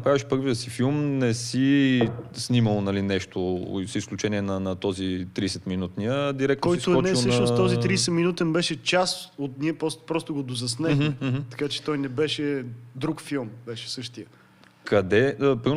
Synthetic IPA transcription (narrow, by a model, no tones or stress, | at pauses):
ɐpɾaviʃpɤɾviəsifilˠmnɛsi | sniməlˠnɐlinɛʃt̪o̰sisklʲut͡ʃɛniɛnɐnɐt̪ɔzit̪ɾisɛt̪minut̪nijəd̪iɾɛk̚t̪k̪ɔjisoɛɔnɛisəʃnost̪ɔzit̪ɾiːsɛminut̪ɛnbɛʃɛt͡ʃasot̪niɛpɔpɾɔst̪oɡod̪ozɐsnɛxmɛɦ̩t̪ɐ̥kat͡ʃɛ̥t̪ɔjnɛbɛʃɛd̪ɾukfilˠmbɛʃɛ̥sɤʃt̪ijə | kɐd̪ɛəpɾim